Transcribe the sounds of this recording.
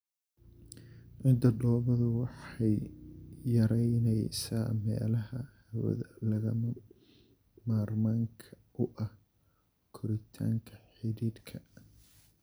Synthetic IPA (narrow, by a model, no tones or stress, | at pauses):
ʕɪnd̪ɐɖɔːβɐðʊwɑħɛjjɐɾɛjnɛjsaːmɛ̰ːlɐɦɐhɐwɐ̰ðɐlɐɣɐm | maːrmaːŋkʰɐ̥ | ʔʊʔɐh | kʰʊɾɪt̪ʰa̰ːŋkʰɐħɪɾid̪kʰɐ